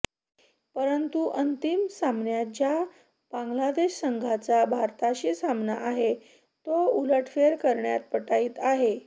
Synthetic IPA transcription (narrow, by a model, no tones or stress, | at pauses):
pəɾənt̪uʔənt̪imsamnjat̪̚d͡ʑja | b̥aŋɡlad̪eɕsəŋɡʱat͡sabʱaɾt̪aɕiːsamnaʔaɦe | t̪ouləʈʰfeɾkəɾɳja̰t̪̚pəʈaiːt̪aɦe